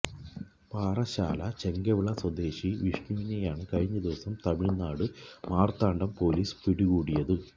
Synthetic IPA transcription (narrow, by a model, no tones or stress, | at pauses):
paːrɐɕa̰ːlɐt͡ɕeŋɡɐʋiɭɐswɐd̪e̞ːɕiʋiʂnuʋinejaːɳɨkɐɻiɲːɐd̪iʋɐsɐmt̪ɐmiɭnaːɽɨmaːrt̪aːɳɖɐmpo̞ːliːspiɽiɣuːɽijɐðɨ